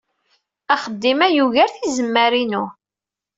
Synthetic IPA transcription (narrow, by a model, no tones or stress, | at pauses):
aχəd̪ːimæjuʝæɾθizəmːæɾinu